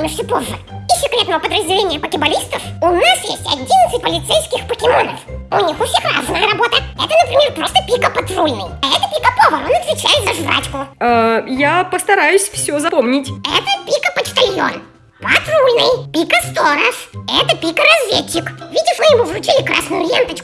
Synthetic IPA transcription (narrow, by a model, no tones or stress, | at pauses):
nəfsʲopoʐːɨisʲɪkɾʲet̪nəvəpəd̪ɾəzʲdʲɪlʲenʲɪjəpəkʲɪbalʲist̪əfʊnasjḛsʲtʲɐ̰dʲinət̪sɨt̚ʲpəlʲɪt̪sejskʲɪxpəkʲɪmonə̰fʊ̰nʲixʊfsʲexra̰znəjəɾɐbot̪əɛt̪ənəpɾʲɪmʲerpɾost̪əpʲikəpɐt̪rulʲnɨ̰jaɛt̪əpʲikəpovɐonɐt̪vʲɪt͡ɕæjɪt̪zɐʐvra̰t͡ɕkʊajapəst̪ɐɾajʊsʲfsʲozɐpomnʲɪtʲɛ̰t̪əpʲikəpət͡ɕt̪alʲjo̰n | pɐ̰t̪rulʲnɨ̰jpʲikəst̪oɾəʂɛt̪əpʲikəɾɐzvʲḛt͡ɕːɪkvʲidʲɪʂmɨjɪmuvrʊt͡ɕilʲɪkɾa̰snʊjʊlʲent̪ət͡ɕkʊ